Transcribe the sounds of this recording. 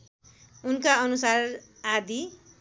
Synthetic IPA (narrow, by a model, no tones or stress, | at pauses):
unkaʌnusar | ad̪ʱi